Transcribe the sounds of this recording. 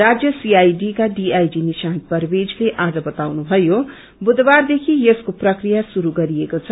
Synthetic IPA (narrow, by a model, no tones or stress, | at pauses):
ɾad͡zjʌsiajɖikaɖiajɖinisanpʌrbed͡zleʔad͡zʌbʌt̪awnubʱʌjo | bud̪bard̪ekʰijeskoprʌkrijasuɾuɡʌɾiekot͡sʰʌ